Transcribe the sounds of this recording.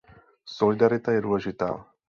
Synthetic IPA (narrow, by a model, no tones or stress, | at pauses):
solɪdaɾɪt̪ajɛduːlɛʒɪt̪a̰ː